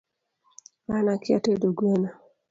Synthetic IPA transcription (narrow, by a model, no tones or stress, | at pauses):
manakɪa̰tedoɡwena